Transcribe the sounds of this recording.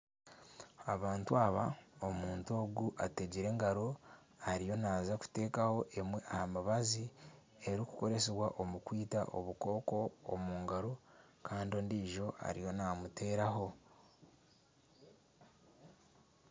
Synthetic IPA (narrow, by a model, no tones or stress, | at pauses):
aβaːntuaβaomuːnto̞ːɡuʔateɟiɾe̞ːŋɡaɾo̞ | aɾijo̞naːzaku̥te̞ːkaho̞ʔe̞mwe̞ʔahamaβazi | e̞ɾiku̥ko̞ɾe̞seβwaʔo̞mukwiːta̰ʔo̞̰βuko̞ːko̞̰ːmuːŋɡaɾo | kʰaːndio̞ːndiʒo̞a̰ɾijo̞namutʰe̞ːɾaɦo̞